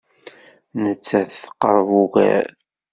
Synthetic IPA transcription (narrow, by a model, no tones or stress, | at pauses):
nət͡sːæθθə̥qːəɾˤvuɣæ̰ɾ